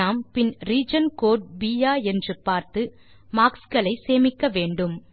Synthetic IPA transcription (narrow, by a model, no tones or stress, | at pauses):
aːmpɪnɾiːd͡ʒɐnkoːʈ̚biːjaːɛndrɯpːaːɾt̪ɯ | maːkskɐɭɐɪseːmɪkːɐʋeːɳɖɯm